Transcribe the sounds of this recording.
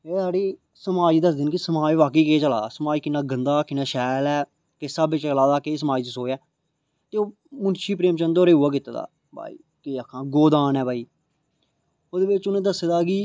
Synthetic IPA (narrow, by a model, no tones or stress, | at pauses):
eːsaːɽiː | səmaːd͡ʒid̪əs̬d̪ɪnkɪsəmaːd͡ʒʋaːkeːkeːt͡ʃəlaːaːsəmaːd͡ʒkɪnːaːɡənd̪aːkɪnːaːʃɛːlɛː | kɪsaːbɪt͡ʃlaːd̪aːkes̬əmaːd͡ʒt͡ʃ̪əsoːɛː | t̪eːoː | mʊnʃiːpɾeːmt͡ʃənd̪oːɾeːɦʊaːk̬ɪt̪aːd̪a̰ː | ba̰ːḭː | keːakʰːãːɡoːd̪aːnɛːbaːiː | oːd̪eːbɪt͡ʃʊnẽːd̪əsed̪aːɡiː